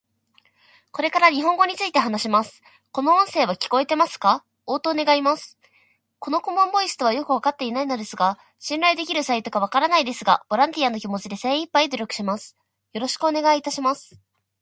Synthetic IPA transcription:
ko̞ɾe̞kaɾaɲ̟iɦõ̞ŋɡo̞ɲ̟it͡sɨit̪e̞ɦanaɕimasɨ̥ | ko̞no̞õɰ̃se̞ːβ̞akʲi̥ko̞e̞t̪e̞masɨ̥ka | o̞ːt̪o̞ːne̞ɡaimasɨ̥ | ko̞no̞ko̞mõ̞mbo̞isɨ̥t̪o̞βajo̞kɯ̟β̞akat̪ːe̞inaino̞d̪e̞sɨɡa | ɕĩnɾaid̪e̞kʲiɾɯ̟sait̪o̞kaβ̞akaɾanaid̪e̞sɨɡa̰b̥o̞ɾãnt̪ʲiano̞kʲimo̞t͡ɕid̪e̞se̞ːipːaid̪oɾʲo̞kɯ̟̥ɕimasɨ̥ | jo̞ɾo̞ɕi̥kɯ̟o̞ne̞ɡait̪aɕimasɨ̥

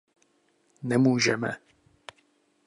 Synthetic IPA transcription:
nɛmuːʒɛmɛ̰

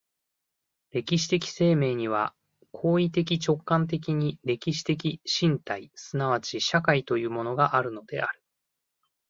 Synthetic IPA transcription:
ɾe̞kʲiɕi̥t̪e̞kʲi̥se̞ːme̞ːɲ̟iβ̞a̰ | kʰo̞ːit̪e̞k̬ʲit͡ɕo̞kːãnt̪̬e̞k̬ʲiɲ̟iɾe̞kʲiɕi̥t̪e̞kʲiɕĩnt̪aisɨnaβ̞at͡ɕiɕakait̪o̞jɯ̟ːmo̞no̞ɡaʔaɾɯ̟no̞d̪e̞̰aɾɯ̟̥

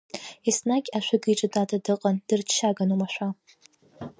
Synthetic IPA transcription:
isnakʲʼaʃʷᶣaɡiʈ͡ʂʼadʼadʰadɨqʼand̥ɨrt͡ʃʰːaɡanumaʃʷᶣa

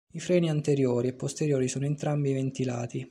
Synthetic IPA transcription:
ifɾɛːniant̪eɾjoːɾiepːost̪eɾjoːɾisɔːnoent̪ɾambivent̪ila̰ːt̪i

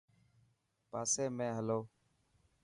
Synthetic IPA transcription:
paːseːmẽːɦəloː

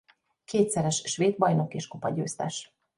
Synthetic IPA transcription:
kʰeːt̪sɛɾɛʃʃʋeːd̪̚bɒjno̞keːʃkopɒɟøːst̪ɛ̰ʃ

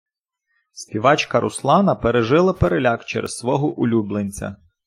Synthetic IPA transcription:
sʲpʲiʋɑt͡ʃkɐɾʔʊslˠɑnɐpeɾeʒɪlˠɐpeɾelʲɑkt͡ʃɛ̰ɾḛssʋɔɦɔʔʊlʲublˠenʲt͡sʲɐ̰

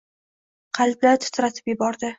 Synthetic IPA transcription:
qʰɑlˠb̪̚lat̪ʰʊ̥t̪ʰɾat̪ʰɪ̥pjɪbɒɾd̪ɪ

